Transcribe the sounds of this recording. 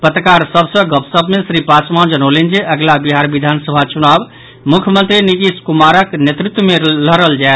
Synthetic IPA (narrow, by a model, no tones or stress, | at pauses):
pət̪ɾəkaɾsəbsə̃ɡəpsəbmesɾipasmand͡ʒənolend͡ʒeʔəɡlabiɦaɾbid̪ʱansəbʱat͡ʃunab | mukʰjəmənt̪ɾinit̪iskumaɾəknjet̪ɾit̪wəmeləɾəld͡ʒaet̪